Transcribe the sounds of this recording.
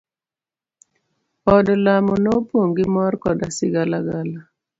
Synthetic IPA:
ɔdlamonopwoŋɡɪmɔrkɔ̰dasɪɡalaɡala

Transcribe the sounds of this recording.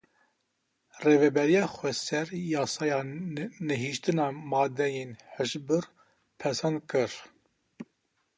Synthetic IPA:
reːvɛbɛɾijɑːxʷɛsɛɾjɑːsɑːjɑnɛɦiʃt̪ɨnɑːmɑːd̪ɛjenħəʃbɨɾ | pʰɛsɛn̚kɨɾ

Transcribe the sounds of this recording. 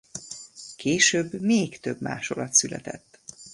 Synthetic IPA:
kʰeːʃøːbːmeːkt̪øbma̰ːʃolɒt̪sylɛ̰t̪ɛt̪ː

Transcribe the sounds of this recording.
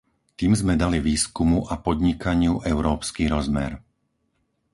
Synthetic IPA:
t̪iːmzmɛd̪aliʋiːskumuʔapɔd̪ɲikaɲɪuʔɛʊɾɔːpskiɾɔzmɛ̰ɾ

